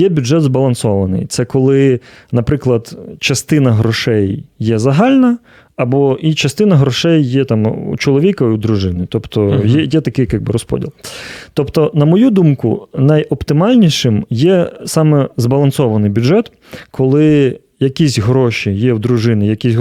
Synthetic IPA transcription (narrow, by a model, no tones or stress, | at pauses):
jɛbʲʊdʐɛd̪zbɐlˠɐnsɔʋɐnɪ̰jt̪sɛkɔlˠɪnɐpɾɪklˠɐd̪t͡ʃɐst̪ɪnɐɦɾɔʂɛjːɛzɐɦɑlʲnɐ | ɐbɔʔit͡ʃɐst̪ɪnɐɦɾɔʃɛjːɛt̪ɑmṵt͡ʃɔlˠɔʋʲikɐiud̪ɾʊʐɪnɪt̪ɔpt̪ɔjɛjɛt̪ɐkɪjkɑɡ̚bɪɾɔspɔ̰dʲḭlˠt̪ɔpt̪ɔnɐmɔjud̪umkʊ̰nɐjɔpt̪ɪmɑlʲnʲiʃɪmjɛsɑmɛzbɐlˠɐnsɔʋɐnɪjbʲʊdʐɛt̪ | kʰɔlˠɪ | jɐkʲisʲɦɾɔʃijɛwd̪ɾʊʐɪnɪjɐkʲisʲ